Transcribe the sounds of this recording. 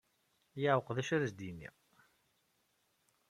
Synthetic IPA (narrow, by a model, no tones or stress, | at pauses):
jaʕwəqðæʃəɾzd̪inḭ